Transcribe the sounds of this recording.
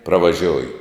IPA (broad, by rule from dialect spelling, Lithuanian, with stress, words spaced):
prɐʋɐˈʒʲoːjʊ